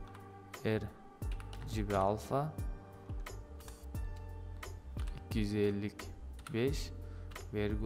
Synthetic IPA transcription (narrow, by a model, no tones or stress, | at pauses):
eɾ | d͡ʒibialˠfa | ikʲːijyzelʲːikʲbeʃ | veɾɡ